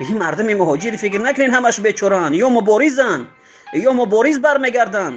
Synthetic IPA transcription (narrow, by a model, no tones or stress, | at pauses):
imaɾd̪umimuɦɔd͡ʒiɾfikɾnakʰʊnenhamaʃbet͡ʃʰɔɾanjɔmubɔɾizan | jɔmʊbɔɾizbaɾme̞ɡaɾd̪an